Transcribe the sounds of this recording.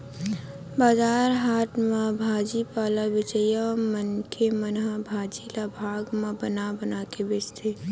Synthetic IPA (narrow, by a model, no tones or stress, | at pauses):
baːzaːɾɦaːt̪mãbʱaːd͡ʒipaːlabɪt͡ʃəjamənkʰemənɦabʱaːd͡ʒilabʱaːɡmãbənabənaːkebɪt͡ʃt̪ʰeː